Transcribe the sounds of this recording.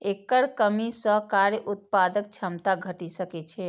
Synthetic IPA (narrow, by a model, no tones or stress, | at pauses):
ekəɾkəmisə̃kaɾjʔut̪̚pad̪ək̚t͡ʃʰəmt̪aɡʱəʈisəkɛt͡ʃʰɛ